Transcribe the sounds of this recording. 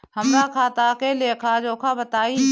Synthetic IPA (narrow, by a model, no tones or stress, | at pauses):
həmnakʰaːt̪akeleːkʰad͡ʒoːkʰabət̪aːi